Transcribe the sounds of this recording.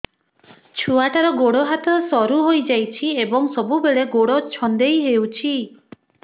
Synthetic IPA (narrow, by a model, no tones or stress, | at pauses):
t͡ʃʰuaʈaɾɔɡoɽɔɦat̪ɔsɔɾuɦojd͡ʒajt͡ʃʰiebɔŋsɔbubeɭeɡoɽɔt͡ʃʰɔnd̪ejɦewt͡ʃʰi